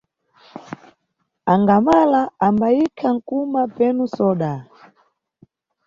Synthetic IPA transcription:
aŋɡamalaambaikʰaŋ̩kumapɛnusɔɗa

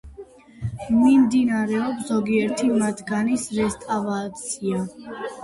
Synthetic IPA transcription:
mimd̪inaɾɛɔpszɔɡiɛɾt̪ʰimat̪ʰɡanisɾɛst̪ʼavat̪sʰia

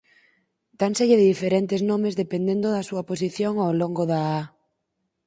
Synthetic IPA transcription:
t̪anseʎeðeðifeɾent̪eznõmezðepend̪ẽnd̪oðasuɐpos̬iθjoŋoloŋɡoðaa

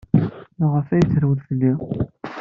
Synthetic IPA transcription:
nʊʁəfæjət͡sːɾwəðθəlːi

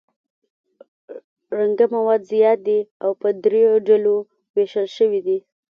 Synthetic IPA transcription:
ɾaŋɡamawɑd̪zijɑt̪̚d̪iawpəd̪ɾejoɖalo | weʃəlʃəwid̪i

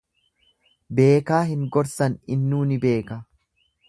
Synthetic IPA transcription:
be̞ːkaːɦɪŋɡɔɾsɐnɪnːuːnɪbe̞ːkɐ

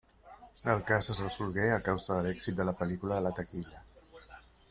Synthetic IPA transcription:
əlˠkasəzrəzulɣeəkawzəðəlɛksit̪̚d̪ələpəlikuləðələt̪əkiʎə

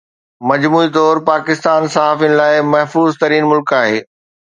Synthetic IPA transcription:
mɐd͡ʑmuːit̪ɔːɾpaːkɪst̪aːnsɐɦaːfin̆laːɪmɐɦfuːzt̪ɐɾiːnmʊlkaːɦeː

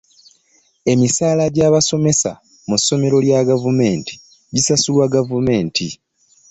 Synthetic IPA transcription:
e̞misaːlaɟaːβaso̞me̞sa̰ | musːo̞me̞ɾo̞ljaɡavume̞ːnti̥ | ɟisasulwaɡavume̞ːnti

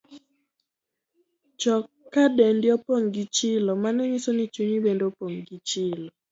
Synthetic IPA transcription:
t͡ʃɔ | kːadendɪɔpoŋɡit͡ʃɪlɔmanɛɲisonit͡ʃuɲibendopoŋɡit͡ʃɪlɔ

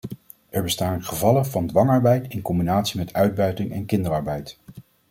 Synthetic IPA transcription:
ʔɛɹbəstaːnχəvɑləvɑndʋɑŋɑɹbɛjtɪnkɔmbinaːtsimɛtʰœɥd̚bœɥtɪŋɛ̰nkɪndəɹɑɹbɛjt

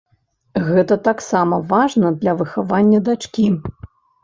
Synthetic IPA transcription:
ɣɛt̪ɐt̪aksamɐvaʐnɐd̪lʲɐvɨxavanʲːɐd̪at͡ʂkʲi

